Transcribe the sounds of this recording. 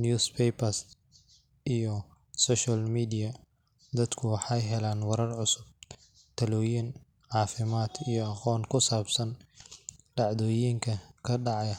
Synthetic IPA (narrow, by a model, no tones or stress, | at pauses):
njuːspʰɛjpɐs | ʔijɔ | sɔːʃɐlmiːd̪ijɐ | d̪ɐd̪kʰʊwɑħɑjɦɛlaːnwɐɾɐrʕʊsʊb̚ | t̪ʰɐlɔːjin | ʕɑːfɪmaːd̪ijɔɑqɔːŋkʰʊsaːbsɐn | ɖɑʕd̪ɔːjiːŋkʰɐkʰɐɖɑʕjɐ